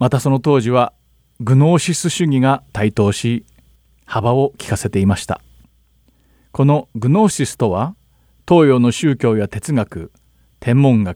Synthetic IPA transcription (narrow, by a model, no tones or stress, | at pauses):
mat̪aso̞no̞t̪o̞ːʑiβa | ɡɯ̟no̞ːɕisɨɕɨɲ̟iɡat̪ait̪o̞ːɕi | habao̞kʲi̥kase̞t̪e̞imaɕi̥t̪a̰ | ko̞no̞ɡɯ̟no̞ːɕisɨ̥t̪o̞βa | t̪o̞ːjo̞ːno̞ɕɨːkʲo̞ːjat̪e̞t͡sɨŋakɯ̟ | t̪ʰẽ̞mːõ̞ŋɡa